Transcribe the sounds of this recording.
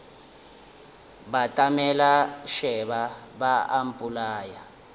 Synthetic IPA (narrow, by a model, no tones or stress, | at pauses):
batʼamɛlaʃɛβabaʔam̩pʼulaːja